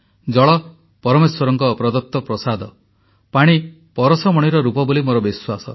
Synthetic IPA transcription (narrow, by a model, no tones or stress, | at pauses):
d͡ʒɔɭɔ | pɔɾɔmeswɔɾɔŋkɔpɾɔd̪ɔt̪ːɔpɾɔsad̪ʱɔ | paɽ̃i | pɔɾɔsɔmɔɽ̃iɾɔɾupɔbolimoɾɔbiswasɔ̰